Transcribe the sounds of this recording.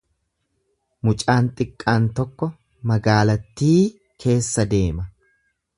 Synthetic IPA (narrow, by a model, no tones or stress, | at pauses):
mʊt͡ʃʼaːnt̪ʼɪkʼːaːnt̪ɔkːɔ | mɐɡaːlɐt̪ːiː | kʰe̞ːsːɐd̪e̞ːmɐ